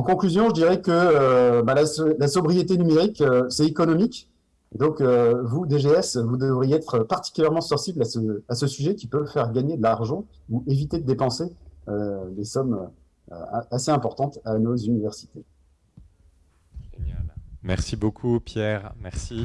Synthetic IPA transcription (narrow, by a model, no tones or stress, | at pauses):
ɑ̃kɔ̃klyzjɔ̃ʒəd̪iʁɛkəøbãlaslasɔbʁijet̪enymeʁikøsɛekɔnɔmik | ed̪ɔ̃køvud̪eʒeɛsvud̪əvʁijeɛt̪χøpaʁt̪i̥kʲyljɛʁmɑ̃sɔ̃siblasəasəsyʒɛkʲipøvfɛʁɡaɲed̪əlaʁʒɑ̃ | uevit̪ed̪əd̪epɑ̃seød̪esɔmø̰ | ø̰aseɛ̃pɔʁt̪ɑ̃t̪anozynivɛʁsi̥t̪e | ʒenja̰lmɛʁsibokʰupjɛʁmɛʁsi